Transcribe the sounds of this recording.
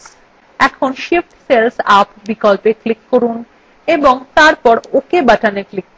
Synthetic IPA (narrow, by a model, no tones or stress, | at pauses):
ɛkʰonʃifʈselsapbikɔlpeklikːoɾun | eboŋt̪aɾpɔɾokebaʈʰaneklik̚ː